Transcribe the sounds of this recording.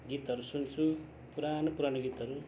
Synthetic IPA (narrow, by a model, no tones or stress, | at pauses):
ɡit̪ʌɾusunt͡sʰu | puɾanopuɾanoɡit̪ʌɾu